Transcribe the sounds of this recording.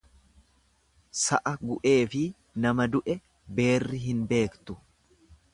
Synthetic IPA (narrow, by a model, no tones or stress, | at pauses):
sɐʔɐɡʊʔe̞ːfɪ | nɐmɐd̪ʊʔɛ | be̞ːrːɪɦɪnbe̞ːkt̪ʊ